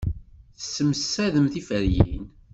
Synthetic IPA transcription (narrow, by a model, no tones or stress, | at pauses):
θəsːəməsːæðəmθifəɾjḭn